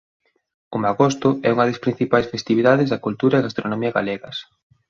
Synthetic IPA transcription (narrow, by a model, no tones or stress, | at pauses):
omaɣost̪ʊɛuŋɐðespɾin̟θipajsfest̪iβiðaðezðɐkult̪uɾaeɣast̪ɾonomiɐɣa̰leɣɐs